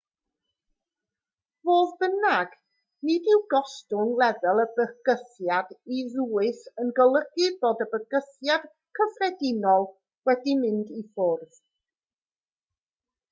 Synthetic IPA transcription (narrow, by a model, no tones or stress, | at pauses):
voːðbənaɡ | nɪdɪwɡɔstʊnlˠɛðəlˠəbəɡ̥əθjadiðuːɨsənɡəlˠəɡɨboːdəbəɡ̥əθjad̥ | kʰəfrɛdɪnɔlˠ | wɛdimɪndifʊrð̥